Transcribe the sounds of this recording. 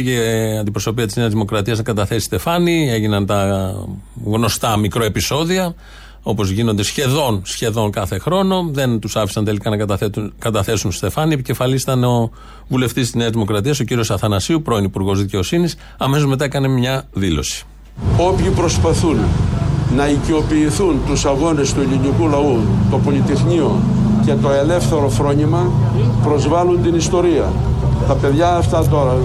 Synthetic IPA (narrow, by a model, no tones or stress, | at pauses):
eɐnd̪ipɾo̞so̞piɐt̪izne̞ɐzðimo̞kɾɐt̪iɐznɐkɐt̪ɐθesi̥st̪e̞fɐnie̞ʝinɐnt̪ɐ | ɣno̞st̪ɐmikɾoe̞piso̞ðiɐ | o̞po̞zʝino̞nd̪e̞sçe̞ðo̞nsçe̞ðo̞ŋkɐθe̞xɾo̞no̞ðe̞nt̪usɐfi̥sɐnt̪e̞likɐnɐk̪θet̪unkɐt̪ɐθe̞sunsst̪e̞fɐniepice̞fɐlist̪ɐneo̞ | vule̞ft̪ist̪izne̞ɐzðimo̞kɾɐt̪iɐso̞ciɾio̞sɐθɐnɐsiupɾo̞inipuɾɣo̞zðice̞o̞sinis | ɐme̞so̞zme̞t̪ɐekɐne̞mɲɐðilo̞̰si̥ | o̞pçipɾo̞spɐθunː | ɐiceo̞piːθunt̪usɐɣo̞ne̞st̪ueʎinikulɐut̪o̞po̞lit̪exɲio | ce̞t̪o̞e̞le̞fθe̞ɾo̞fɾo̞ɲimɐ | pɾo̞zvɐlunt̪inist̪o̞ɾiɐ | t̪ɐpe̞ðʝɐːft̪ɐt̪o̞ɾɐ